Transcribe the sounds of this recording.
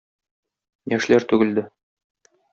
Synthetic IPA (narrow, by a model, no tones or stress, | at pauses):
jæʃlæɾt̪ʉɡɘ̆ld̪ɘ